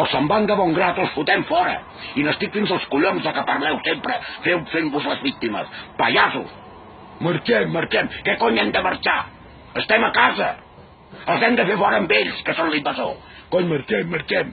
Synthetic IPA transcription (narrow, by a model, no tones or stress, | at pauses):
əlˠsəmband̪əβɔŋɡɾat̪əlˠsfut̪ɛmfɔɾə̰ | inəst̪ikfinzəlˠskuʎonzðəkəpəɾlɛwsempɾəfewfembuzləzβik̚t̪imə̰spəʒazṵs | məɾt͡ʃɛmːəɾt͡ʃɛmkɛkɔɲɛmd̪əməɾt͡ʃa̰ | əst̪ɛməkazə̰ | əlˠzɛmd̪əfefɔɾəmbeʎskəsonlimbəzo̰ | kɔɲməɾt͡ʃɛmːəɾt͡ʃɛm